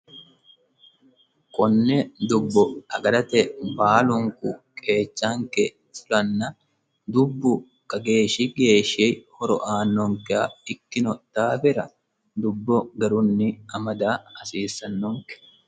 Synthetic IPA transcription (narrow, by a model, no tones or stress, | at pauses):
kʼɔnːɛd̪ʊbːɔɐɡɐɾɐt̪ɛbaːlʊŋkʊkʼe̞ːt͡ʃːaŋkɛ | fʊlɐnːɐn | d̪ʊbːʊ | kʼɐɡe̞ːʃɪɡeːʃeːhɔɾɔʔaːnːɔŋkɛɐɪkːɪnɔt̪ːaːfɛɾɐ | d̪ʊbːɔɡɐɾʊnːɪɐmɐd̪aːɐsiːsːɐnːɔŋkɛ̥